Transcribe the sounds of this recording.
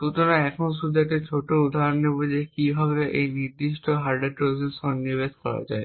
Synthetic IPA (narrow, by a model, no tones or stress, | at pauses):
k̪ut̪onaɛkʰonʃud̪ʱːaʈet͡ɕʰoʈoud̪ʱaɾonːebod͡ʑekibʱabeʔejniɾd̪iʃʈoɦaɾɖeɾpɾosensɔnːiβed̪kɔɾa̰d͡ʑae